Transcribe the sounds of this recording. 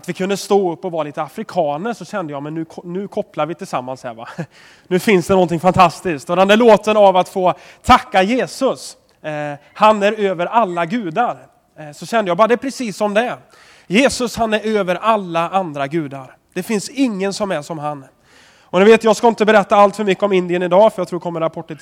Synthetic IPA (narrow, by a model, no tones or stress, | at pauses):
at̪vɪkʰɵnd̪əst̪oːɵpːɔvɑːɾaliːt̪əafɾɪkʰɑːnəʂɔɕɛnd̪əjɑːmɛnːʉːkʰɔnʉ̟ːkʰɔpːlaɾvɪt̪ʰɪlsamːanshæ̰ːɾva̰ | nʉ̟ːfɪnsd̪ɛnɔnt̪ʰɪŋfant̪ʰast̪ɪsk̚t̪ød̪and̪ɛæɭoːt̪ənavat̪foː | t̪ʰakːajeːsɵs | hanæɾøːvəɾalːaɡʉ̟ːd̪aɾ | sɔɕɛnd̪əjɑːbɑːɾad̪ɛːpʰɾɛsiːsːɔmd̪ɛ | jeːsɵshanæɾøːvəɾalːaʔand̪ɾaɡʉ̟ːd̪aɾ | d̪̥ɛfɪnsɪŋːənsɔmæʂɔmɦan | ɔnɪveːt̪jɑːɡskaɪnt̪əbɛɾɛt̪ːaalt̪fœɾmʏkːəɔmɪnd̪ɪənɪd̪ɑːfœɾjaɡt̪ʰɾuːdɛkʰɔmːəɾapʰɔʈːə